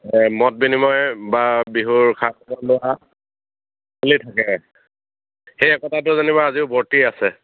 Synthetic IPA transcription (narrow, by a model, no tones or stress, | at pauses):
mɔt̚binimɔjbabiɦuɹkʰatɔbɔlʊa | olitʰakɛ | xejɛkɔtat̬ʊzanibaaziʊbʱɔɹtiasɛ